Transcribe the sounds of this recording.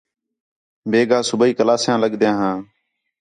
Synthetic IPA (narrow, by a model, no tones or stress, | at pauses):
beːɡãːsʊbiːkəlaːsjãːləɠd̪jãːɦãː